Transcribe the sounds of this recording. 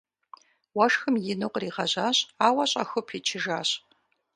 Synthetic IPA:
wɐʂxɨmjɪnɨqʷʼriːʁɐʑaːɕʼaːwɐɕʼɐ̰xʷʊpʰit͡ʃʰɪʒaːɕʼ

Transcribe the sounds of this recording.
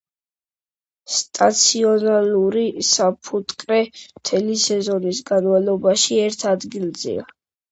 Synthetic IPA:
st̪ʼat̪sʰiɔnaluɾisapʰut̪ʼkʼɾɛmt̪ʰɛlisɛzɔnisɡanvalˠɔbaʃiɛɾt̪ʰad̪ɡilˠzɛ̰a

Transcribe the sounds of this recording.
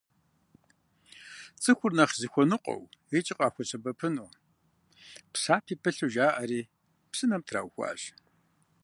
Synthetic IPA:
t͡sʼɨxʷʊrnɐχzixʷɔnɨqʷʼɔ̰wit͡ʃʼɪqʼɑːxʷɔt͡ɕʰɐbɐpʰɨnoː | psaːpʰiːpʰɨɬuʒaːʔɐɾiː | psɨnɐmtʰra̰ːwxʷa̰ʒ

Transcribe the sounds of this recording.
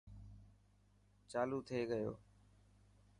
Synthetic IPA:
t͡ʃaːluːt̪ʰeːɠəjo̰ː

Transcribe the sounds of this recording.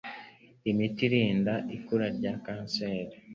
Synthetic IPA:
imitiɾiːndaʔikuɾaɾɟakaːnseːɾa

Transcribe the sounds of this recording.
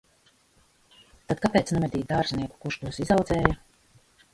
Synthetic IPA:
t̪ad̪̚kapɛːt̪snɛmɛd̪ʲiːd̪aːɾzʲniɛku̥kuʃt̪uɔsizawd̪zɛːju

